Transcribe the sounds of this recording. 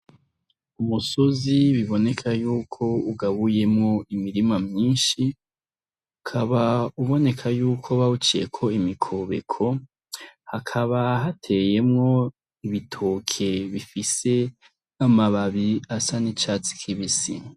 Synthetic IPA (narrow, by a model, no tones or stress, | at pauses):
umusoziβiβo̞ne̞kʰajuːkʰo̞uɡaβuje̞mŋo̞imiɾimamɲiːnʃi | ukʰaβauβo̞ne̞kʰajuːkʰo̞βaut͡ʃijḛkʰo̞imikʰoβe̞̰kʰo̞ | hakʰaβaɦatʰe̞je̞mŋo̞ | iβitʰokʰe̞βifise̞ | amaβaβiasanit͡ʃat͡si̥kʰiβisḭ